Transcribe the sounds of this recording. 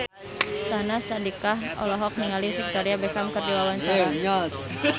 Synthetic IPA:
sanasadikaɦɔ̰lɔɦɔk̚niŋalifik̚t̪ɔɾiabɛkamkərdiwawaɲt͡ʃaɾaɲat̪

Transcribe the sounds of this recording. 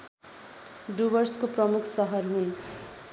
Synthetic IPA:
ɖubʌrskoprʌmukʰsʌɦʌrɦun

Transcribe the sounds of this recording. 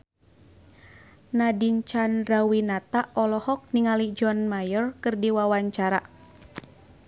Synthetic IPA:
nadiɲt͡ʃanrawinat̪aɔlɔhɔk̚niŋalid͡ʒɔnmajɔrkɨrdiwawaɲt͡ʃaɾa

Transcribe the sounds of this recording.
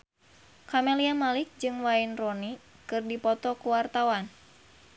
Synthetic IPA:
kameliamalik̚d͡ʒɨŋwainrɔni | kɨrdipɔt̪ɔkuwart̪awan

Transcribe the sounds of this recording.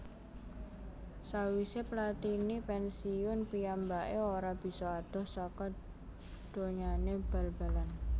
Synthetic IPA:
sawiseplat̪inipɛnsiʊnpijambaʔeoɾab̥i̤sɔad̪̥ɔ̤hsakɔ | d̪̥o̤ɲaneb̥a̤lb̥a̤lan

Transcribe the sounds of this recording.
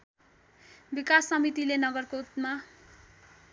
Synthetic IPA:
bikasːʌmit̪ilenʌɡʌrkout̪ma

